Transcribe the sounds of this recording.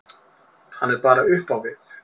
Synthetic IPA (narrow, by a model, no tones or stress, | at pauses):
hanːɛɾpaːɾaʏhpawvɪθ